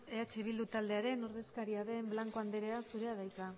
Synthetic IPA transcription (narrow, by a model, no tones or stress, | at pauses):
e̞at͡ʃe̞β̞ild̪ut̪ald̪e̞aɾe̞noɾðe̞skaɾiaðe̞mblaŋko̞and̪eɾe̞asuɾe̞aðajka